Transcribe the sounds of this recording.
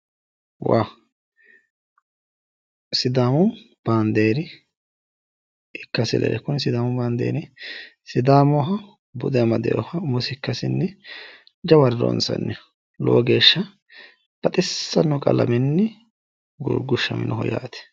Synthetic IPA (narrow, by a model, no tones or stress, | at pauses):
waː | sɪd̪aːmʊ | b̥aːnd̪eːɾɪ | ɪkːɐsɪlɛ̰ɾɛkʊnɪsɪd̪aːmʊbaːnd̪ḛːɾɪsɪd̪aːmɔɦɐ | bʊd̪ɛmɐd̪ɛjɔhɐmʊsɪkːɐsɪnːɛ | d͡ʒɐwɐɾɾɔ̰nsɐ̰nːɛ | lo̰ːɡe̞ːʃːɐ | b̥ɐt̪ʼɪsːɐnːɔkʼɐlɐ̰mɪnːɛ | ɡʊ̰ɾɡʊʃːɐmɪ̰nɔɦɔja̰ːt̪ɛ̥